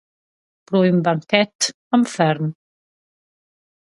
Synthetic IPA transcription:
b̥ɾɔjmbaŋkɛt̪ | amfɛɾn

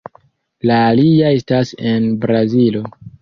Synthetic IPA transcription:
laːliae̞stase̞nbɾazilo̞

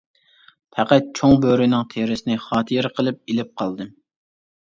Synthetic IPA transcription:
pʰæqæt̪̚t͡ʃʰoŋbøɾɪnɨŋt̪ʰeɾɪsɪnɪχɑːt̪ʰɨɾqʰəlˠɨp̚elɪp̚qʰɑlˠd̪ɨm

